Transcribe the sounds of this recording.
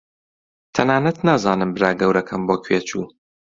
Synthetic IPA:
t̪ʰɐnaːnɐt̪naːzaːnɨmbɨɾaːɡɐwɾɐkʰɐmboːkʰweːt͡ʃuː

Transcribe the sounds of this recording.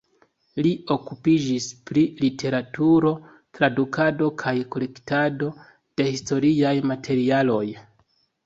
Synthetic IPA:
lio̞kupid͡ʒispɾilitʰe̞ɾatuɾo̞ | tɾadukʰado̞kʰajko̞le̞ktado̞ | d̥e̞histo̞ɾiajmatʰe̞ɾialo̞j

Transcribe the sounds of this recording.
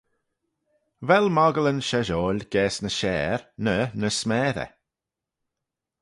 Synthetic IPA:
vɛlmɔɡələnʃɛʒɔːlɡ̥ɛːsnəʃɛːɾnənəsmɛːɾə̰

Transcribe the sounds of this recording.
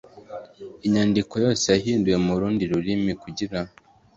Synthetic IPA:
iɲaːndiko̞jo̞ːse̞jaɦiːnduje̞muɾuːndiɾuɾimikuɟiɾa

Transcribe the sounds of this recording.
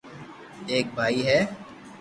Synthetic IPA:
eːk̚bʱaːiɦɛː

